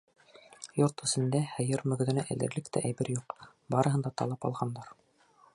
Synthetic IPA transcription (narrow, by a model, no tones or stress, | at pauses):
joɾt̪ɵ̆sɘ̆nd̪æhɘ̆jɘɾmɵ̆ɡɵ̆ðɘ̆næʔæ̰̆lɘ̆ɾlɘkt̪ʰæ̰ʔæjbɘɾjuq | bɑɾɤ̆ɦɤ̆nd̪ɑt̪ɑ̰lˠɑpɑ̰lˠʁɑnd̪ɑɾ